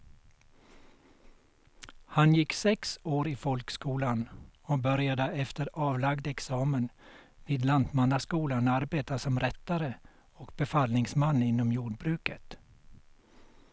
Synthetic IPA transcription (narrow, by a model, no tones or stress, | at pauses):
hanjɪksɛksoːɾɪfɔlkskuːlanɔbœɾjad̪əɛft̪əɾɑːvlaɡd̪ɛksɑːmənviːd̪lant̪manːaskuːlanaɾbeːt̪asɔmɾɛt̪ːaɾə | ɔkbɛfalnɪŋsmanːɪnːɔmjuːɖbɾʉːkət̪